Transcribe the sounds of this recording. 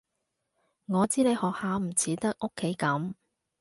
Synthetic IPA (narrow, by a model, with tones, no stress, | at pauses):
ŋɔː˨˧t͡siː˨˥ne˨˧jhɔː˨k̚haː˨˧m̩˨˩t͡sʰiː˨˥t̪ɐ˥k̚ʔo˥kʰːe˨˥jkɐ˨˥m